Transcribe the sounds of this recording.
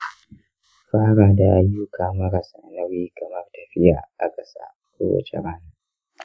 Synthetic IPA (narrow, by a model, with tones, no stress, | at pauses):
ɸaː˦ɽaː˨da˨ʔa˨jːu˦kʰaː˨mɐ˦ɾa˨sa˨nɐ˦ɾiː˦ɡɐ˨mɐ˦rtɐ˨ɸɪ˦ja̰ː˨ʔa˨kʼɐ˦sa̰ː˦ | kʷoː˦wɐ̰˦t͡ʃḛ˦ɾaː˦naː˨